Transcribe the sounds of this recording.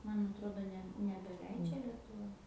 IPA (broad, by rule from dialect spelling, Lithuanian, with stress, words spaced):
ˈmɐn ɐtˈroːdoː ˈnʲɛ nʲɛbʲɛˈlʲɛɪd͡ʒʲɛ lʲiɛtʊˈʋɐ